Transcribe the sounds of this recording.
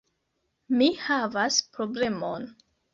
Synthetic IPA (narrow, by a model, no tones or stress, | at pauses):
mihavaspɾo̞ble̞mon